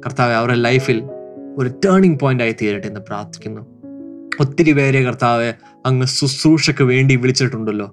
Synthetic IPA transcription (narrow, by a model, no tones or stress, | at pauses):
kɐrt̪aːʋeɐʋɐrelɐjfilo̞ɾutɐːɳiŋɡ̚poːjndaːjit̪iːɾiʈːe̞nːɨpra̰ːrt̪ʰi̥kʲːunːu | ot̪ːiɾiʋe̞ːɾekɐrt̪aːʋe | ɐŋːesusuːʂɐkːɨʋe̞ːɳɖiʋiɭit͡ɕːiʈːuɳɖɐlːo̞ː